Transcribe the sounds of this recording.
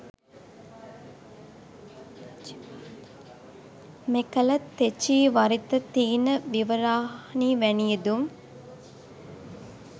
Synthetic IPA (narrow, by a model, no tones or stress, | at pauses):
mekɐlɐt̪ːet͡ʃiːʋɐɾit̪ɐt̪iːnəʋiʋɐɾaːɦniːʋænijed̪um